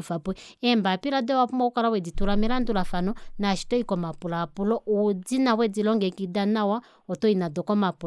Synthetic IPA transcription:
ufapɛɛmbapiɾadɛwapumaukalawɛd͡zituɾamɛlandulafanɔnaʃi̥tɔikɔmapulapulɔud͡zinawɛd͡zilɔŋɡɛkidanawa | ɔtɔinadɔkɔmapu

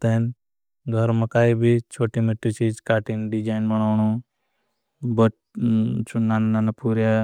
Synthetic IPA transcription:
t̪en | ɡʱəɾmakaːibʱit͡ʃʰoːʈimeʈːit͡ʃiːd͡ʒkaːʈiːnɖid͡ʒaːɪnbɐɽ̃aːɳu | bə | t͡ʃʰunannanapuːɾja

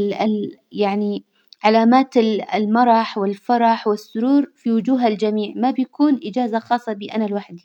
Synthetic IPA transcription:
ɪjaʕni | ʕalaːmaːt̪ɪlmɑɾˤɑħwɪlfɑɾˤɑħwɪsːʊɾuːɾfiwʊd͡ʒuːɦald͡ʒamiːʕmabjakʰuːnʔɪd͡ʒaːzaxɑːsˤːɑbiːʔanalwaħd̪i

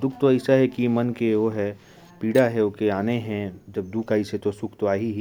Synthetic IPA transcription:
d̪ʊkʰt̪oɛɪsaɦɛkimɐnkeʋoɦɛ | piːɽaɦɛokeaːneɦɛ̃d͡ʒɐb̚d̪ukʰaːiset̪osʊkʰt̪oaːɦiɦi

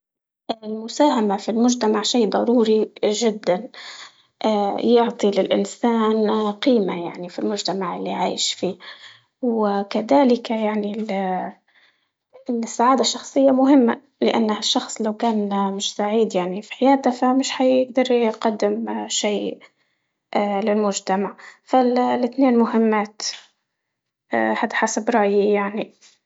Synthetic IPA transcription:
ʔɪlmʊsaːɦamafilmʊʒt̪amaʕʃiːd̪ˤɑɾuːɾiʒɪd̪ːan | ʔaːjʊʕt̪ˤilɪlʔɪ̰nsaːnqiːmajaʕnifilmʊʒt̪amaʕɪlːiʕaːjɪʃfiː | wɪkaðaːlɪkjaʕni | sːaʕaːd̪aʃːɑxsˤɨjːamʊɦɪmːa̰ | lɪʔa̰nːhaʃːɑxsˤlawkaːnmɪʃsaʕiːd̪jaʕnifi̥ħɪjaːd̪afamɪʃhajɪɡ̚d̪ɑɾˤjqɑd̪ːɪmʃeː | ʔlɪlmʊʒt̪amaʕfallɪt̪neːnmʊɦɪmːaːt̪ | ʔhad̪ħasabɾˤɑʔjijaʕni

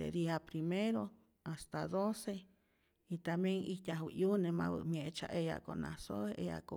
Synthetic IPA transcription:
ḛɾiapɾimeɾo | ast̪ad̪ose | it̪amjeŋit̪ʲahwiʔjunema̰βɨ̰mjeʔt͡ʃa̰ʔeja̰kona̰soeja̰ko

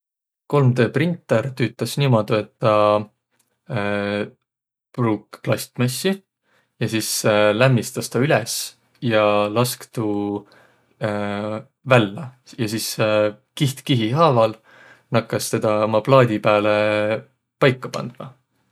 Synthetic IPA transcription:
ko̞lmd̪øːprint̪ːˑeɾt̪yːt̪ːˑɑsnimod̪̥ue̞t̪ːɑ | pruːkːplɑsʲt̪mesːi | jɑsiːslæmːist̪ɑst̪ɑylɛs | jɑlɑskt̪uː | vælːɑjɑsiːs | kiht̪kiɦiɦɑːvɑl | nɑkːˑɑst̪e̞d̪̥ɑmɑplɑːd̪ʲipæːle | pɑjkːɑpɑ̰nd̪̥mɑ̰

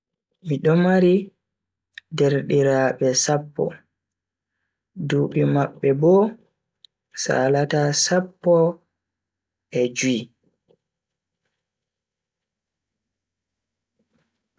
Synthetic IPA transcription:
miɗɔmaɾi | dɛɾɗiɾaːɓɛsapːɔ̰ | duːɓimaɓːɛbɔ | sa̰ːlatasapːɔ | ʔɛd͡ʒi

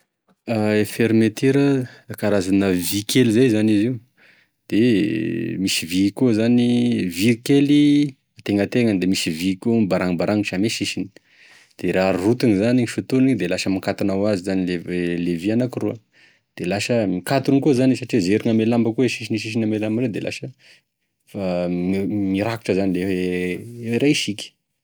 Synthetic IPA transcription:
aefeɾimet̪eɾəkaɾazanəvikʰelizajzaniziu | d̪̥e | misivikuzanivikeli | at̪eŋət̪eŋənd̪emisivikombaɾaŋibaɾaŋiʈ͡ʂameʃiʃini̥ | d̪̥eɾarut̪uŋizaniŋiʃut̪unid̪elaʃəmakat̪anawazizanileelevianakiruə | d̪̥elaʃəmikat̪unkuzanisaʈ͡ʂizeɾiŋamelambəkueʃiʃiniʃ̬iʃ̬inamelambəɾed̪elʔa̰ʃə | fammiɾaku̥ʈ͡ʂəzanileeeeɾaʃikʲi̥

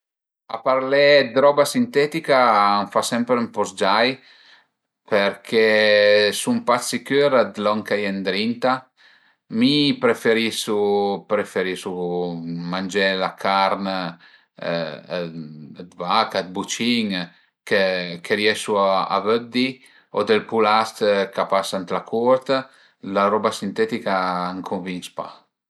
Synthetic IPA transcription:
a̰paɾlɛd̪ɾɔbasint̪ɛt̪ikaaɱfasɛmpɾmpɔsd͡ʒaj | peɾkʰɛsumpasikøɾad̪lɔŋkajɛnd̪ɾint̪a | mipɾefeɾisupɾefeɾisu | mand͡ʒɛlakʰaɾn | d̪vakad̪̚but͡ʃiŋ | kekʰeɾjɛʃuaa̰vød̪i | ɔd̪elpulast̪kapasant̪lakʰuɾt̪ | laɾɔbasint̪ɛt̪ikaːŋkʰuɱvinspa̰

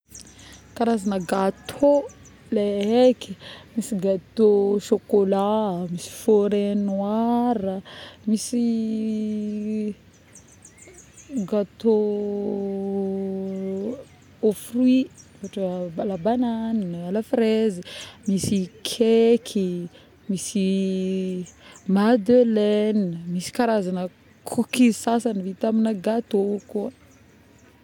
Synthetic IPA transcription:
kaɾazanəɡat̪ʰo | leɦekimisiɡat̪oʃokolamisi̥foɾenwaɾəmisi | ɡat̪o | ofrui | aʈ͡ʂəbalabananalafɾezimisikʰekʰi | misi | mad̪ølenmisi̥kaɾazanə | kʰukisasanivit̪aminəɡat̪oku

